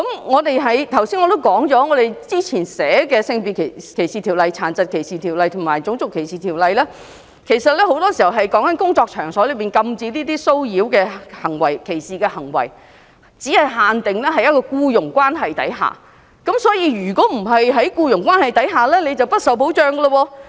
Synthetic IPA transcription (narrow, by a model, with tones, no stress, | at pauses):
kɐ˨˥mŋɔː˨˧t̪e˨jɦɐ˨˥jt̪ʰɐ˨˩wsiː˥nŋɔ˨˧t̪o˥wkɔː˨˥ŋt͡sɔː˨˥ŋɔː˨˧ɾe˨˩jt͡siː˥t͡sʰiː˨˩nsɛː˨˥kɛː˧sɪ˧ŋpiː˨kʰkʰe˨˩jsiː˨t̪ʰi˨˩wlɐ˨jt͡sʰaː˨˩nt͡sɐ˨t̚kʰe˨˩jsiː˨t̪ʰiː˨˩wlɐ˨jt̪ʰʊ˨˩ŋmaː˨˩jt͡sʊ˨˥ŋt͡sʊ˨kʰːe˨˩jsiː˨t̪ʰi˨˩wlɐ˨jlɛː˥ | kʰe˨˩jsɐ˨t̚lɛː˥ho˨˥wt̪ɔː˥si˨˩ɐ˨˩wɦɐ˨jkɔː˨˥ŋkɐ˨˥nkʊ˥ŋt͡sɔː˧k̚t͡ʃʰœː˨˩ŋsɔː˨˥lɵ˨˧ɥpiː˨nkɐ˧mt͡siː˧liː˥t̪iː˥so˥wjiː˨˥wkɛː˧hɐ˨˩ŋwɐ˨˩jkʰe˨˩jsiː˨kɛː˧hɐ˨˩ŋwɐ̰˨˩j | t͡siː˨˥hɐ˨˩jɦaː˨nt̪ɪ˨ŋlɛː˥ɦɐ˨jɐ˥tkɔː˧kuː˧jʊ˨˩ŋkwaː˥nɦɐ˨jt̪ɐ̰˨˥jɦa̰ː˨˩ | kɐ˨˥msɔː˨˥jiː˧ɥyː˨˩kɔː˨˥m̩˨˩ɦɐ˨jɦɐ˨˥jkuː˧jʊ˨˩ŋkʷaː˥nhɐ˨˩jt̪ɐ˨˥jɦaː˨˩lɛː˥ne˨˧jt͡sɐ˨wpɐ˥t̚sɐ˨˥wpo˨˥wt͡ʃœː˨˧ŋɡə˧lɐ˧wɔː˧